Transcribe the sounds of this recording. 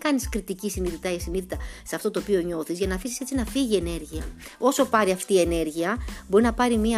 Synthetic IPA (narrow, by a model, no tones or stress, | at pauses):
kɐniskɾit̪icisiniðit̪ɐʝɐsiniðit̪ɐseɐft̪o̞t̪oːpio̞ɲo̞θizʝɐnɐːfisise̞t͡sinɐfiʝie̞ne̞ɾʝiɐ | o̞so̞pɐɾiɐft̪iːe̞ne̞ɾʝiɐbo̞ɾinɐpɐɾimiɐ